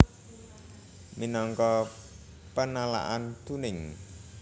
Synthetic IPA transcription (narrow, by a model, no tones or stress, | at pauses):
minɔŋkɔ | pənala̰ʔant̪unɪŋ